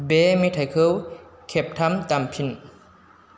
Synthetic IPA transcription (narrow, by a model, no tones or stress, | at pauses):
bemitʰajkʰɯwkʰep̚tʰamt̪ampʰin